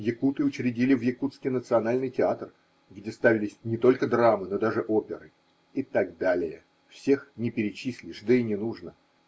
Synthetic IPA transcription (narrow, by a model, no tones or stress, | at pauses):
jɪkut̪ɨʊt͡ɕɾʲɪdʲilʲɪvjɪkut̪skʲɪjnət̪sɨɐnalʲnɨjtʲɪat̪r | ɡdʲe̞st̪avʲɪlʲɪsʲnʲɪt̪o̞lʲkəd̪ramɨno̞d̪aʐɨʔopʲɪɾɨ | ɪt̪aɡd̪alʲɪjə | fsʲe̞xnʲɪpʲɪɾʲɪt͡ɕisʲlʲɪʂd̪əinʲɪnuʐnə